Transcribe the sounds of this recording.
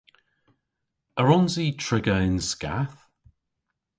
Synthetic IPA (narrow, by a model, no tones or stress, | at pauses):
əɹɔnziːtʰɹɪɡəɪnska̰θ